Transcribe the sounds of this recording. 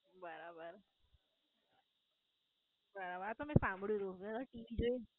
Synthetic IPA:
bəɾabəɾ | bəɾabaɾt̪omɛ̃sãmbɭjod̪õmẽd̪aʈiːd͡ʒoe

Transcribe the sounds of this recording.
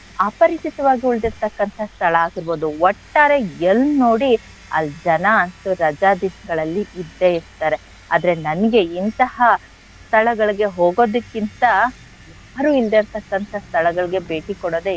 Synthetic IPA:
ɐpɐɾit͡ʃit̪ɐʋaːɡiuɭd̪iɾt̪ɐkːɐnt̪ʰɐst̪ʰɐɭɐaːɡiɾbo̞ːd̪uʋɔʈːaːɾe̞elːno̞ːɽi | ɐ̰ld͡ʒɐnɐɐnt̪uɾɐd͡ʒaːd̪isɐɡɐɭɐlːiid̪ːe̞ist̪aːɾe̞ | a̰ːd̪ɐɾe̞nɐnɐɡe̞int̪ɐhɐ | st̪ʰɐɭɐɡɐɭiɡe̞ɦoːɡo̞ːd̪ɐkːint̪ɐ | jaːɾuːild̪eɾt̪ɐkːɐnt̪ʰɐst̪ʰɐɭɐɡɐɭiɡe̞beːʈikɔɽoːd̪e

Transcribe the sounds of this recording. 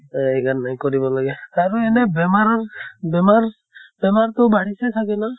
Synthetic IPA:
aɛɡanːajkɔɾibalaɡɛaɾuɛnɛbɛmaɾbɛmaɾ | bɛmaɾt̪ɔbaɽisɛt̪ʰakɛna

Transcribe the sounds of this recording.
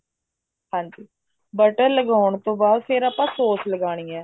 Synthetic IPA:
ɦãːɲd͡ʒiː | bəʈəɾləɡaːʊɳt̪õːbaːd̪pʰɪɾaːpãːsoːsʰləɡaːɽ̃iːɛː

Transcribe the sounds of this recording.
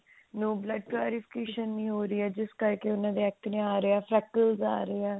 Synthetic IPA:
noːbləɖ̚ʈlaːɾipʰɪ̥keːʃənːĩːɦoːɾiːɛːd͡ʒɪskəɾkeʊnãːd̪eːɛːk̚t̪nẽaːɾeːɛːpʰɾɛːkəlza̰ːɾeeːɛː

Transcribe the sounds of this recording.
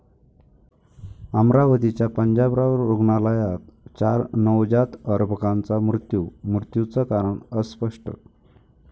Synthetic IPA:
amɾaʋət̪it͡ɕjapəɲd͡ʑabɾaʋəɾuɡɳalajat̪̚t͡ɕaɾnəwd͡ʑat̪əɾbʱəkãnt͡samɾut̪jumɾut̪jut͡səkaɾəɳəspəʂʈə̰

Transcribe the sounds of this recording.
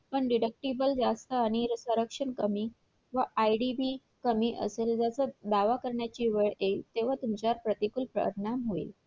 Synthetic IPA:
pəɳɖiɖək̚ʈibəld͡zast̪əaɽ̃iɾsəɾəkʂənkəmiː | ʋəʔaiɖibi | kəmiːʔə̰seld͡zat͡səd̪aʋakəɾɳjat͡ɕiːʋəɭet̪eʋ̤at̪umt͡ɕaɾpɾət̪ikulpɾə̰ɾɳamɦoḭ

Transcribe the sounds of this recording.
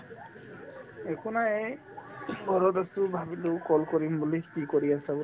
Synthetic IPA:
ɛkʰunae | ɡɔɹɔtasubʱabidoʊkɔlkɔɹimbulikikɔɹiasabu

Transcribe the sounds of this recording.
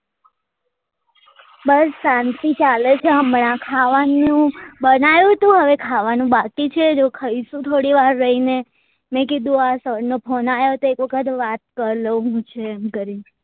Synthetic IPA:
bəɾsãnt̪it͡ʃalet͡ʃʰeəmnãkʰaʋanũbənajũt̪ũɦəʋekʰaʋanũbakit͡ʃʰed͡ʒokʰəisũt̪ʰoɽiʋaɾːəɦine | mɛ̃kid̪ũasəɽnopʰɔnajot̪oekʋəkʰət̪ʋat̪̚kəɾləɦũt͡ʃʰeːmkəɾi

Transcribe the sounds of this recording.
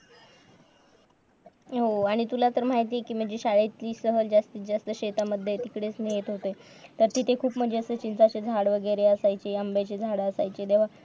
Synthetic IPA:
ɦoaɽ̃it̪ulat̪əɾm̤aɦit̪̬iekiːm̤əɳd͡zeɕaɭet̪liːsəɦəld͡zast̪id͡zast̪əɕet̪aməd̪ʱjet̪ikɽet͡snijet̪ɦot̪e | t̪əɾt̪it̪ekʰuːpm̤əɳd͡zeəsəːt͡ɕint͡sat͡ɕed͡zʱaɽʋəɡəjɾeəsajt͡ɕeəmbat͡ɕed͡zʱaɽəəsajt͡ɕed̪eʋ̤a

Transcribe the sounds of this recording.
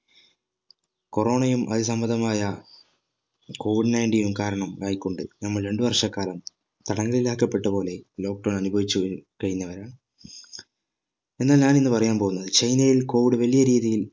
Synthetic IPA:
ko̞ro̞ːɳɐjumʔɐ̰ðisɐmbɐnd̪ɐmaːjɐ | ko̞ːʋiɖnɐjɳʈiːnumkaːɾɐɳɐmʋaːjikʲːo̞ɳɖɨ̰nɐmːɐɭɾe̞ɳɖɨʋɐrʂɐkːaːlɐm | t̪ɐɽɐŋːɐɭilaːkːɐpːe̞ʈːɐpo̞ːle̞lo̞ːk̚ɖoːnɐnubʱɐʋit͡ɕːukɐɻinːɐʋɐɾaːɳ | e̞nːaːlɲaːnenːɨpɐrɐjaːnpo̞ːɣunːɐðɨt͡ɕɐjnɐjilko̞ːʋiɽɨʋɐlijɐɾiːðijil

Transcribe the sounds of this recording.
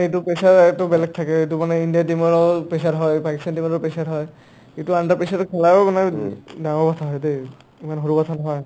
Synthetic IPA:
et̬upesaɹtʊbɛlɛk̚tʰakɛet̬umanɛindijatimɔɹɔpesaɹɦɔjpakistandimɔɹɔpesaɹɦɔj | etuandaɹpesatʊkʰɛlabamanɛdaŋɔɹpɔtʰaɦɔjde | imanɦoɹupɔtʰanɔɦɔj

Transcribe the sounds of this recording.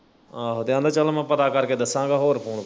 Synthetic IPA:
aːɦod̪eãːd̪aːt͡ʃəlːmãːpət̪aːkəɾkeːd̪əsːãːɡaːɦoːɾpʰoːn

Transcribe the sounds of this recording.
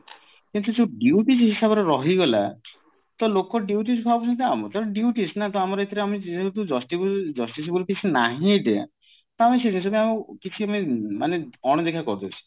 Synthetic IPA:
kint̪ud͡ʒeɖiuʈisɦisabɔɾeɾɔɦiɡɔla̰ | t̪ɔlokɔɖjiuʈ̬is̬bʱabɔsɔt̪eamɔt̪ɔɾɔ̃ɖjiuʈisnat̪ɔamɔɾet̪ʰiɾeamid͡ʒet̪̬ud͡ʒɔsʈibd͡ʒɔsʈis̬bulkit͡ʃʰinaɦĩd̪eã̰ | t̪ɔamised͡ʒins̬ɔbɔaũkit͡ʃʰiamimaneɔɽ̃ɔd̪ekʰakɔɾd̪oɾt͡ʃʰi̥

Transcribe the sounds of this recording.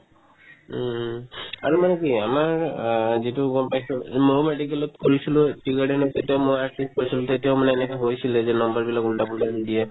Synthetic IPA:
a̰ɹumanɛkiamaɹzituɡɔmpajsɔmomedikɛlɔtkoɹisilʊtikaɽɛnɔtetijaʊmojaɹtist̚koɹisilʊ̃tetijaʊmanɛːnɛkɛɦojsilɛzɛnɔmbaɹbilakuntabundabidija

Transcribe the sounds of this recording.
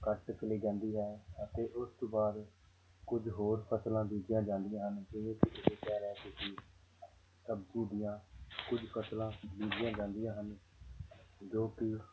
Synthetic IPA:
kəʈt͡ʃəliːd͡ʒãːnd̪iːɦɛːət̪eːʔʊst̪õːbaːd̪ | kʊd͡ʒɦoːɾpʰəslãːbiːd͡ʒɪjãːd͡ʒãːnd̪ɪjãːɦənd͡ʒɪʋẽːkiʔɪdeːkɛːɾɛːt̪ʊsiː | səbd͡ʒĩːd̪ɪjãːkʊd͡ʒpʰəslãːliːd͡ʒɪjãːd͡ʒãːnd̪ɪjãːɦən | d͡ʒoːp̪iː

